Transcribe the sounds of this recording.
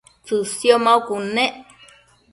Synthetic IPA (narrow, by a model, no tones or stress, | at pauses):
t͡sɨsjomãukunẽʔ